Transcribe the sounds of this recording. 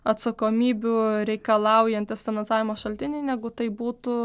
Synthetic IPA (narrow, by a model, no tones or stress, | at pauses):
ɐt̪sɐkoːmʲiːbʲuːɾʲɛɪkɐlˠɐʊjɛnʲt̪ʲɪsfʲɪnɐnsɑːʋʲɪmoːʃɐlʲt̪ʲɪnʲɛɪnʲɛɡʊt̪ɐɪbuːt̪ʊ